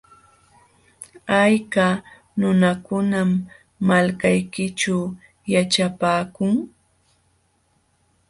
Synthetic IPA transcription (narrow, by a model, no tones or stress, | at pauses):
ajka | nʊnakʊnamː | alkajkɪt͡ʃaw | jat͡ʃapaːkʊŋ